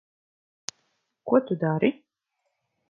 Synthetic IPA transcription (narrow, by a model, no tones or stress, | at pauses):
kuɔt̪ud̪aːɾi